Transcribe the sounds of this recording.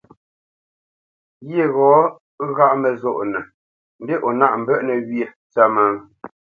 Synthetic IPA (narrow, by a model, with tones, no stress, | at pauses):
ɣje˦˨ɣɔː˨˦ | ɣa˦˨ʔmə˨zo˦˨ʔnɛ˨ | n̩˨de˦ʔo˨na˦ʔm̩˨bɛ˦ʔnə˨ɣje˨ | t͡sa˦ma˦ŋ